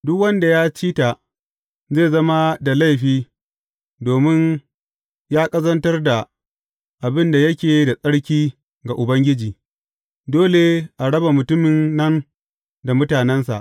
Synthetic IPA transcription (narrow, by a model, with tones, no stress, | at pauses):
dʊ˦kwɐ˦nda˨jaː˦t͡ʃiː˦ta˨ | zeː˦˨zɐ˦ma˦da˨la˦˨jɸiː˦ | doː˨mɪ˦n | jaː˦kʼɐ˦zɐ˦ntɐ˦rda˨ | ʔa˨bɪ˦nda˨jɐ˦kʲeː˨da˨sʼɐ˦ɽkʲiː˦ | ɡa˨ʔʊ˨bɐ˦ŋɡʲɪ˦d͡ʒiː˨ | doː˦le˨ʔa˨ɽɐ˦ba˨mʊ˨tʊ˦mɪ˨nːɐ˦n | da˨mʊ˦taː˨nɛ˦nsa̰˨ʔ